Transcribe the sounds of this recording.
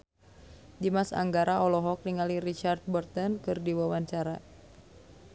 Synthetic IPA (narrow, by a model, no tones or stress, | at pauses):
dimasa̰ŋɡaɾaɔlɔɦɔk̚niŋaliɾit͡ʃard̪̚bɔrt̪ɔnkɨrdiwawaɲt͡ʃaɾa